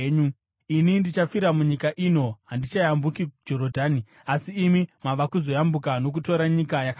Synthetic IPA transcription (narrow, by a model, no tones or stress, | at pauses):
ɲu | inindit͡ʃafiɾamuɲikaʔino̞ɦandit͡ʃajambukid͡ʒo̞ɾodʱaːni | asiːmimaʋakuzo̞jambukano̞k̬uto̞ɾaɲikajaka